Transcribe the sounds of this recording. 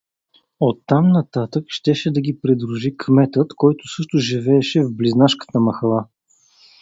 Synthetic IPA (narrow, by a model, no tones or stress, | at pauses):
ot̪ːamnɐt̪at̪əkʃt̪ɛʃɛd̪ɐɡʲipɾid̪ɾuʒikʰmɛt̪ət̪kɔjt̪ʊ̥sɤʃt̪ʊʒivɛːʃɛvbliznaʃkə̥t̪əmɐxɐlˠa